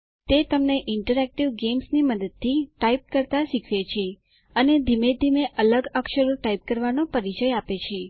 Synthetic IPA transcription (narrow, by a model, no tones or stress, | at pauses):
t̪et̪əmneʔɪɳʈəɾɛk̚ʈiʋɡemsniməd̪əd̪̚t̪ʰːiʈaip̚kəɾt̪aʃikʰʋet͡ʃʰe | əned̪ʱimed̪ʱimeʔələɡəkʃəɾuʈaip̚kəɾʋanopəɾit͡ʃəjapet͡ʃʰe